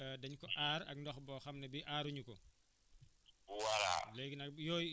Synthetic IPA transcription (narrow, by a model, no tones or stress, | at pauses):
ədɐɲkɔʔaːɾɐ̰k̚ndɔxbɔxɐmnɐbiʔaːɾuɲukɔ | wala̰lɛːɡinɐk̚jɔːj